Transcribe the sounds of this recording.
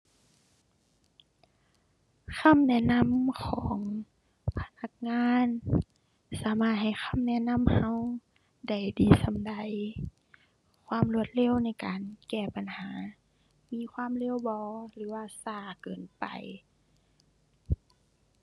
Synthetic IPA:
kʰa˧˥˨mnɛː˧˥˨na˧˥˨mkʰɔː˩˨˦ŋ | pʰa˧na˧k̚ŋaː˧˥˨n | saː˨˦maː˧˩t̪̚ha˨˩jxʰa˧˥˨mnɛ˧˨na˧˥˨mha˧˨w | da˧˩jdiː˨sa˧˦mda˨˩j | kʰwaː˧˥˨mlu˧ət̪̚le˧˥˨wna˧˩jkaː˨nkɛː˧˩pa˨˩nhaː˨˦ | miː˧˥˨kʰwaː˧˥˨mle˧˥˨wbɔː˧˦lɯː˨˦waː˧˨saː˧˩kɤː˨˩npa̰˨j

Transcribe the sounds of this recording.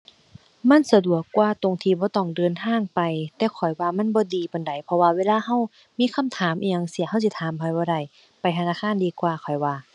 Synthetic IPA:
ma˧˥˨nsa˧du˨˩əkːwaː˧˩t̪o˧ŋt̪ʰiː˧˩bɔː˧˦t̪ɔ˧˩ŋdɤː˨˧˨nt̪ʰaː˧˥˨ŋpa˨jt̪ɛː˧˩kʰɔ˨˩jwaː˧ma˧˥˨nbɔː˧˦diː˨˧pa˨nda˨˩˦jpʰɔ˧waː˧weː˧˥˨laː˧˥˨ha˧˩˨w | miː˧˥˨kʰa˧˥˨mt̪ʰaː˨˦mʔiː˧ɲa˧ŋsi˧˩˦ha˧˥˨wsi˧˦t̪ʰaː˨˦mpʰa˧˩jbɔː˧˦da˧˩˨j | pa˨jt̪ʰa˧naː˧˥˨kʰaː˧˥˨ndiː˧kwaː˧˩kʰɔ˨˩jwaː˧

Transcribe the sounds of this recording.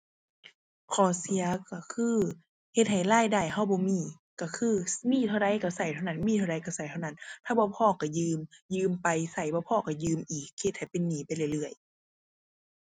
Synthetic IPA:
kʰɔː˨˩˦si˧ɐ˦ka˧˩kʰɯː˧ | he˧t̪̚ha˨˩jlaː˧˥˨jda˧˩jha˧˥˨wbɔː˧˦miː˧˩˨ | ka˧˩kʰɯː˧˨miː˧˥˨t̪ʰa˧ɾa˧˦jka˧˩sa˨˩jt̪ʰa˧wna˧˥˨nmiː˧˥˨t̪ʰda˧˦jka˧˩wsa˨˩˦jt̪ʰa˧wna˧˥˨nt̪ʰaː˧˩bɔː˧˦pʰɔː˧˩˨ka˧˩jɯː˧mjɯː˧mpa˧jsa˨˩jbɔː˧˦pʰɔː˧˩ka˧˩jɯː˧mʔiː˨˩k̚he˧˦t̪̚ha˨˩jpe˧˨nːiː˨˦pa˧˨jlɯ˧˩˨lɯ˧˩əj

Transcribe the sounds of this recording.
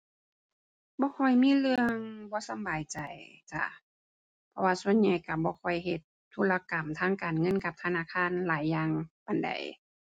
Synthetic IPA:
bɔː˧˦kʰɔ˧˩jmiː˧˥˨lɯ˧əŋbɔː˧˦sa˨˧˦mbaː˨˩jt͡ɕa˨˩jt͡ɕa̰˧˩ | pʰɔ˧waː˧su˧ə˨nɲa˧˩jka˧˩bɔː˧˦kʰɔ˧˩jɦe˧t̪̚ʰːuː˧˥˨la˧ka˨˩mt̪ʰaː˧˥˨ŋkaː˨˩nŋɤ˧˥˨nka˧˦p̚t̪ʰa˧naː˧˥˨kʰaː˧˥˨nlaː˨˦jːaː˧ŋpa˨nda̰˨˩j

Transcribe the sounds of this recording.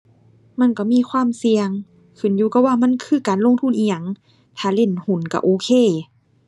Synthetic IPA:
ma˧˥˨nkɔ˧˩miː˧˥˨kʰwaː˧˥˨msi˧əŋ | kʰɯ˨˩˦njuː˧ka˧˩waː˧˩˨ma˧˥˨nkʰɯː˧˩˨kaː˨nlo˧˥˨ŋt̪ʰu˧˥˨nʔiː˧˩ɲa˧˨ŋ | t̪ʰaː˧˩le˧˩˨nhu˨˦nka˧˩ʔoː˨˦kʰeː˧˨

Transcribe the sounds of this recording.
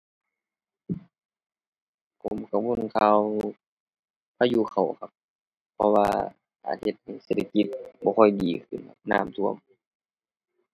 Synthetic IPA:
pʰo˨˩˦mkʰa˧˩wu˧˥˨nkʰaː˧w | pʰaː˧juː˧˦kʰa˨˩wkʰa˧p̚ʰː | ɔ˧waː˧ | kʰa̰ː˨˩t̪̚he˧t̪̚ha˨˩jse˧˩t̪ʰa˧ki˧t̪̚bɔː˧kʰɔ˧˩jdiː˨˩kʰɯ̰˧˩˨nkʰa˧p̚naː˧˩˨mt̪ʰu˧˩əm

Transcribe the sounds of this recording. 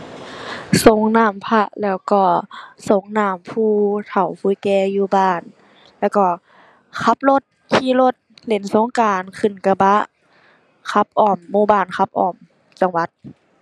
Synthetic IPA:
so˨˦ŋnaː˧˩mpʰa˧ʔlɛː˧˩wkɔː˧˩so˨˧˦ŋnaː˧˩mpʰuː˧˩t̪ʰa˨˩wfʰuː˧˦jkɛː˧juː˧baː˧˩n | lɛː˧˩wkɔː˧˩ | kʰa˧˦p̚lo˧˦t̪̚ | kʰiː˧˨lo˧t̪̚le˨˩˦nso˧˦ŋkaː˨˩nkʰɯ˧˩˨nka˧ba˧ʔ | kʰa˧˦p̚ʔɔː˧˩mːuː˧˩baː˧˩nkʰa˧˦p̚ʔɔː˧˩m | t͡ɕa˨˧˦ŋwa˧˦t̪̚

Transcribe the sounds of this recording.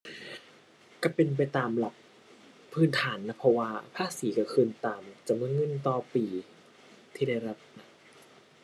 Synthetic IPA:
ka˧˩pe˧np̬a˧jt̪aː˨˩mla˨˧˦p̚ʰː | ɯː˧˩nt̪ʰaː˩˦nːa˦˧˥pʰɔ˧waː˧pʰaː˥˩siː˩˦ka˧˩kʰɯː˧˨nt̪aː˨mt͡ɕa˨˩mɯː˧˥˨ŋɤ˧˥˨nt̪ɔː˧˩piː˨˩ | t̪ʰiː˥˩daː˥˩jɾa˦˥p̚na˦˥

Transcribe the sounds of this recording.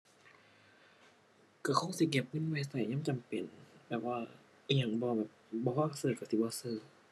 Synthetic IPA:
ka˧˩kʰo˧˥˨ŋsi˧˦ke˧˩p̚nɯ˧˥˨nwa˧˩˨sa˧˩˨ɲa˧˥˨t͡ɕa˨mpe˨˩nbɛː˨˩p̚waː˧˩˧ | ɲa˧˩ŋbɔː˧˦bɛː˨˩p̚bɔː˧˦waː˧˥˩sɤː˧˩ka˧˩si˧˦˩bɔː˧˦sɤː˧˩

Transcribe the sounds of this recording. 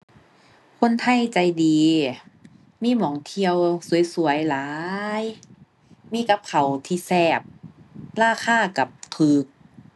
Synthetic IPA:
kʰo˧˥˨nt̪ʰa˧˥˩jt͡ɕa˨˩jdiː˨ | miː˧˥˨mɔː˨˩˦ŋt̪ʰi˧əwsu˨˩˦jsu˨˩˦əjlaː˦j | miː˧˥˨ka˧˥p̚kʰa˨˩wt̪ʰiː˧˩sɛː˧˩p̚laː˧˥˩xʰaː˧˥˩ka˨˩˦p̚k̪ʰɯː˨˧˩k̚

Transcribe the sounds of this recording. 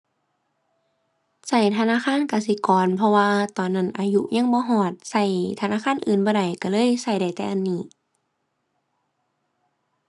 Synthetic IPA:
sa˧˩jt̪ʰa˧naː˧˥˨xʰaː˧˥˨nka˧˩si˧˦kɔː˨npʰɔ˧waː˧t̪ɔː˨˩nːa˧˥˩nʔaː˧jṵ˧ɲa˧˥˨ŋbɔː˧˦ɦɔː˧˩t̪̚sa˧˩jt̪ʰa˧naː˧˥˨kʰaː˧˥˨nʔɯː˨nbɔː˧˦ɾa˨˩jka˧˩lɤː˧˥˨jsa˧˩jda˨˩jt̪ɛː˧ʔa˧˨nːiː˧˩˨

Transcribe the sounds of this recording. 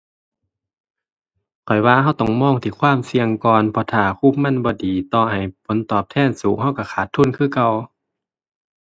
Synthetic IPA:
kʰɔ˨˩jwaː˧ha˧˥˩wt̪ɔː˧˩ŋmɔː˧˥˨ŋt̪ʰiː˧˩kʰwaː˧˥˨msi˧əŋkɔː˨npʰɔ˧˩t̪ʰaː˧˩kʰuː˧˩˨p̚ma˧˥˨nbɔː˧˦diː˨t̪ɔː˧˩ha˨˩jpʰo˨˦nt̪ɔː˨˩p̚t̪ʰɛː˧˥˨nsuː˨˦ŋhɦa˧˥˩wka˧˩kʰaː˨˩t̪ʰːuː˧˥˨nkʰɯː˧˥˨ka˧˩˨w

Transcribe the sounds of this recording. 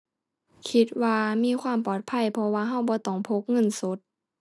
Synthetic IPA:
kʰi˧˥t̪̚waː˧miː˧˥˨kʰwaː˧˥˨mpɔː˨˩t̪̚pʰa˧˥˨jpʰɔ˧waː˧ɦa˧˩wbɔː˧˦t̪ɔː˨˩ŋpʰo˧˥k̚ŋɤ˧˥˨nso˨˦t̪̚

